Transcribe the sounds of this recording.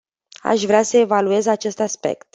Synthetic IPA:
a̰ʃvɾeasəe̞value̞zat͡ʃe̞st̪aspe̞̰kt̪̚

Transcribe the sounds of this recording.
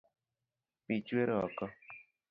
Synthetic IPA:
pit͡ʃweɾɔɔkɔ

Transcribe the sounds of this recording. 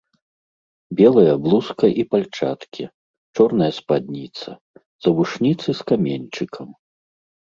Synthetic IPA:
bʲɛlˠɐjɐblˠuskɐʔipalʲt͡ʂa̰t̪kʲi | t͡ʂɔrnɐjɐspad̪̚ʲnʲit̪sɐ̰ | z̥ɐbuʂnʲit̪sɨskamʲenʲt͡ʂɨkʰɐm

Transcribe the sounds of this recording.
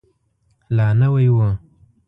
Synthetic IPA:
lɑːnawajwə

